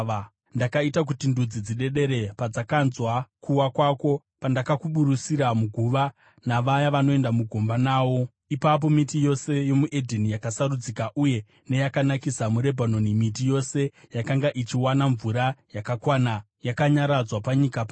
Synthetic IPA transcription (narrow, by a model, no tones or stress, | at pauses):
ndakaitak̬utindud͡zid͡ziɗe̞ɗe̞ɾe̞pad͡zakanzwakʰuwakwako̞ | pandakakuɓuɾusiɾamuɡʱuʋa | naʋajaʋano̞e̞ndamuɡʱo̞mbanaːʋo̞ | ipap̬o̞mitijo̞se̞jo̞muʔe̞dʱenijakasaɾud͡zikaʔuje̞ | ne̞jakanakisamuɾe̞bʱanonimitijo̞se̞jakaŋɡaʔit͡ʃiwanaɱvuɾajakakwaːna | jakaɲaɾad͡zwapaɲikapa